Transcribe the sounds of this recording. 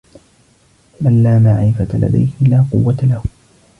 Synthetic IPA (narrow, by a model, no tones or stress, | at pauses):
malːaːmaʕɪfat̪ala̰d̪a̰jhɪlaːqʊ̰wːat̪alahʊ